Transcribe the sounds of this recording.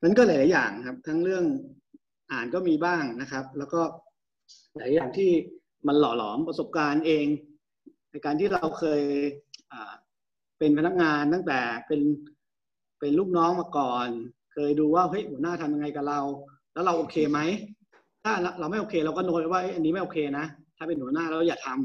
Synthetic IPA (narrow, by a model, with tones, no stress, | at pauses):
na˥˩nkɔː˥˩llaː˨˩˦jaː˨˩ŋkʰa˦˥p̚t̪ʰa˦˥ŋɾɯ˥˩əŋ | ʔaː˨˩nkɔː˥˩miː˧baː˥˩ŋna˦˥kʰɾa˦˥p̚lɛː˦˥wkɔː˥˩ | laː˨˦˨jaː˨˩ŋt̪ʰiː˥˩ | ma˧nlɔ̰ː˨˩˦lɔ̰ː˩˦mpɾa˧so˨˩p̚kaː˧nʔeː˧ŋ | na˧˩jkaː˧nt̪ʰiː˥˩ɾa˧wkʰɤː˧jʔaː˨˩ | pe˧npʰa˧na˦˥k̚ŋaː˧nt̪a˥˩ŋt̪ɛː˨˩pe˧n | pe˧nluː˥˩k̚nɔː˦˥ŋmaː˧kɔː˨˩n | kʰɤː˧jduː˧waː˥˩ɦɤ˦˥jhu˨˩˦naː˥˩t̪ʰa˧mja˧ŋːa˧jkaː˨˩ɾa˧w | lɛː˦˥wɾa˧wʔoː˨˧kʰeː˧ma˦˥j | t̪ʰaː˥˩a˧ɾa˧wma˥˩jʔoː˧kʰeː˧la˧wkɔː˥˩noː˧pa˧˩waː˥˩ʔjʔa˧nːiː˦˥ma˥˩jʔoː˨˩kʰeː˧na˦˥t̪ʰaː˥˩pe˧nhu˩˦naː˥˩˨wkɔː˥˩jaː˨˩t̪ʰa˧m